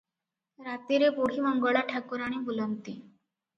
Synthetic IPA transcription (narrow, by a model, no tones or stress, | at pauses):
ɾat̪iɾepoɽ̤iːməŋɡəɭaʈʰakuɾaɽ̃ibulənt̪iː